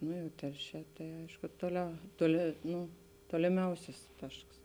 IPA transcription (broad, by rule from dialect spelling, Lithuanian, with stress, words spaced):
ˈnʊ jɛʊ ˈtʲɛlʲˌʃʲɛː tɐɪ ˈɐɪʃkʊ toːˈlʲɛʊ toːˈlʲɪ ˈnuː toːlʲɪˈmʲɛʊsʲɪs ˈtɐʃks